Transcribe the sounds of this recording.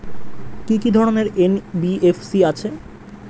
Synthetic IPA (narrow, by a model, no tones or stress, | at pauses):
kikid̪ʱɔɾoneɾenbiefsiat͡ɕʰe